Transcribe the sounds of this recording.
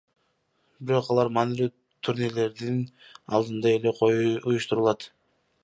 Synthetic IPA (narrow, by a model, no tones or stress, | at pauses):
bɪɾo̞qɑlˠɑɾmɑːnilyː | t̪ʰuɾnʲele̞ɾd̪inɑ̰lˠd̪ɯnd̪ɑe̞le̞qʰo̞juujuʃt̪uɾulˠɑt̪